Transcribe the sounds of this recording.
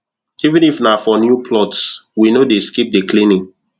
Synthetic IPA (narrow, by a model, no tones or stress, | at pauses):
ivɨ̃nifnafɔnjupʰlɔtswinodeskip̚deklĩnĩŋ